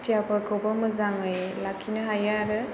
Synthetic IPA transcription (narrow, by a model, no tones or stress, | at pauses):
tijapɔɾkʰobɯmɯzaŋɯjlakʰinɯɦajaɾɯ